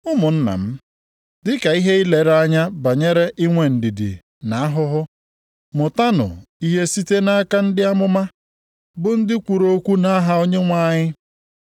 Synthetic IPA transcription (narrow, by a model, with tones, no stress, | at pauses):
ʊ˦mʊ˨n̩˦na̰˨m̩˦ | dɪ˦ka˨i˦ɦe˦i˦le˨ɾa˦ɲa˦ba˨ɲe˦ɾe˦ʔi˦ŋʷe˨n̩˨di˨dḭ˨ | na˨a˦ɦʊ˦ɦʊ˦ | mʊ˨ta˦nʊ̰˨i˦ɦe˦si˦te˦na˦ka˦n̩˦dɪ˦a˦mʊ˦ma˦ | bʊ˨n̩˦dɪ˦kʷu˨ɾo˦kʷu˦na˦ɦa˦o˦ɲe˦ŋʷa˦ɲɪ˦